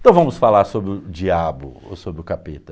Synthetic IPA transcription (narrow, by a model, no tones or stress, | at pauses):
t̪ɐ̃w̃vɐ̃mʊsfalaɾsobɾɪʊd͡ʒiabʊ̰o̰sobɾɪʊkapet̪ɐ